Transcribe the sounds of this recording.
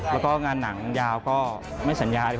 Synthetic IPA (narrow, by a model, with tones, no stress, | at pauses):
lɛː˦˥wkɔː˥˩ŋaː˧nːa˩˦ŋjaː˧wkɔː˥˩ | ma˥˩jsa˩˦njaː˧l